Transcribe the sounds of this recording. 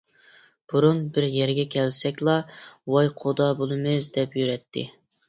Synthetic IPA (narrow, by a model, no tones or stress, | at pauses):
b̥uɾunbɪɾjɛɾɡʲɛkʲʰɛlsɛkʲlˠɑwɑjqʰod̪ɑbolˠɨmɨzd̪ɛpjyɾɛt̪ʰːɪ̰